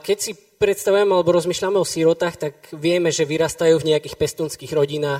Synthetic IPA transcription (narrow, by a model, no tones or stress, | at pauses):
kɛcsi | pɾɛt̪st̪aʋujɛmɛalɛbɔɾɔzmiːʃʎamɛɔsiɾɔt̪aːxt̪akʋɪɛmɛʒɛʋiɾast̪ajuːvɲɛjakiːxpɛst̪uːnskiːɣɾɔɟinaːx